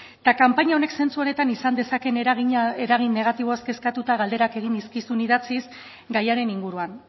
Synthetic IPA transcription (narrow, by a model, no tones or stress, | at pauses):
t̪akampaɲaone̞kse̞nt͡suo̞ne̞t̪anisand̪e̞sake̞nɣieɾaɣ̞inːe̞ɣ̞at̪iβ̞o̞eske̞skat̪ut̪aɣald̪e̞ɾake̞ɣ̞ind̪iskisuniðat͡sis | ɡajaɾe̞niŋɡuɾuan